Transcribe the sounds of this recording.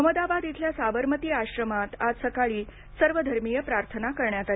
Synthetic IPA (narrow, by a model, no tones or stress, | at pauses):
əməd̪abad̪it̪ʰljasaʋəɾmət̪iːaɕɾəmat̪ad͡zsəkaɭiː | səɾʋəd̪ʱəɾmijəpɾaɾt̪ʰənakəɾɳjat̪a